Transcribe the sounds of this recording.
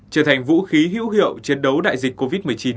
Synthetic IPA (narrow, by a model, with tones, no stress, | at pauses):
t͡ɕəː˨˩t̪ʰa˨˩jŋ̟vṵ˧˥xi˨˦ɦḭ˧˥wɦḭ˧˨əwt͡ɕe˧˨˩nɗə˨˦wɗa̰ː˧˨jzi˨˩k̟ko˧vi˦˥t̚mɨ˨˩əjt͡ɕi˨˦n